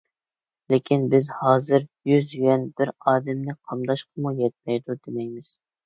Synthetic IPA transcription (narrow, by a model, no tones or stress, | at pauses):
lekʲʰinbɪzhɑːzɨɾjyzyjɛnb̥ɪɾɑːd̪ɛmnɪqʰɑmd̪ɑʃqʰəmujɛt̪̚mɛjd̪ud̪ɪmɛjmɪz̥